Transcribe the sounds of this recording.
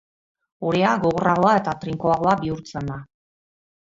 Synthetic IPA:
uɾeaɡo̞ɣoraɣo̞ae̞t̪at̪ɾiŋkoaɣ̞o̞abiuɾt͡send̪a

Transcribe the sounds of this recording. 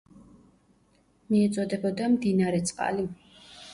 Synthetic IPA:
miɛt̪sʼɔd̪ɛbɔd̪amd̪inaɾɛt̪sʼqʼa̰li

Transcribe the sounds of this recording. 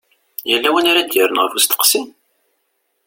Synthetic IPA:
jəlːæwənaɾad̪jəɾənʁəɾfust̪ə̥qsim

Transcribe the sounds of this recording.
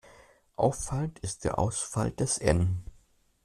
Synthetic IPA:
ʔa̰ʊfːaləntɪst̚d̥eːɐʔa̰ʊsfald̥ɛsʔɛ̰n

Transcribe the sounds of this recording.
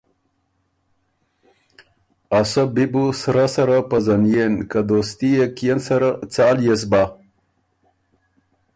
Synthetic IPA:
asəbibusɾasɐɾapəzanjenkad̪ost̪ijekijensaɾat͡saːljes̬ba

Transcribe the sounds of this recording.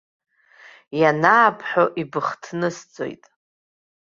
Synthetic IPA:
janaːpʰħʷᶣoʔibɨχtʰnɨsd͡zʼo̞̰jtʼ

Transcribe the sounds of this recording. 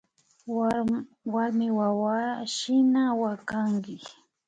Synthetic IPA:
waɾmɪwawaʃɪnawakaŋkɪ

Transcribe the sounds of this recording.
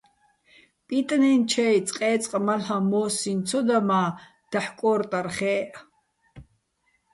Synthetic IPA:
pʼit̪ʼnɛnt͡ʃʰɛit͡sʼqʼɛːt͡sʼqʼmalhamɔːsint͡sʰɔd̪amaː | d̪̥aħkʼɔːɾt̪ʼaɾχɛːʔ

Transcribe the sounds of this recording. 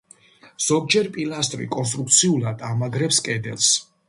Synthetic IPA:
z̥ɔɡ̚d͡ʒɛɾpʼilˠast̪ʼɾḭkʼɔns̬t̪ʼɾuk̚t̪sʰiulˠad̪amaɡɾɛpskʼɛd̪ɛ̰lˠs

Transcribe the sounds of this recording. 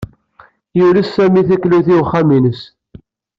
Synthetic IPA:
julæsːæmiθækluθiwχːæminəs

